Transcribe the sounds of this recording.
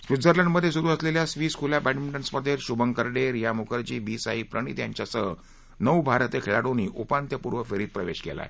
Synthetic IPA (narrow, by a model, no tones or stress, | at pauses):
sʋid͡zəɾlaɳɖməd̪ʱːjesuɾuːəsleljasʋiːskʰuljapɛʈmiɳʈəɳsməd̪ʱːeɾɕubəŋkəɾɖeɾjamukəɾt͡ɕiːbiːsaɦipɾəɽ̃ḭːt̪ja̰ɲt͡ɕjasəɦ | nəwbʱaɾt̪ekʰeɭaɽoniːʔupant̪jəpuɾʋəfeɾiːt̪̚pɾəʋeɕkḛla̰e